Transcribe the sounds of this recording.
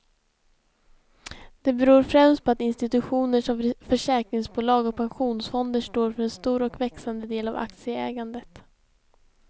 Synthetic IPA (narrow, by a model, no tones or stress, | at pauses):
d̪̥ɛbɛɾuːɾfɾɛmst̪̚pʰɔat̪ɪnst̪ɪt̪ɵɧuːnəʂɔmfœʂɛːkɾɪŋsbuːlɑːɡɔk̚pʰanɧuːnsfɔnd̪əʂʈoːɾfœɾɛnst̪uːɾɔkvɛksand̪əd̪eːlava̰k̚t̪sɪəɛːɡand̪ət̪